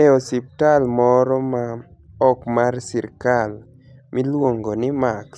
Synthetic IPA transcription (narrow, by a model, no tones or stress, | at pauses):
ɛɔsiptalmɔɾɔma | ɔkmarsiɾkal | mʔilwoŋɡonɪmaks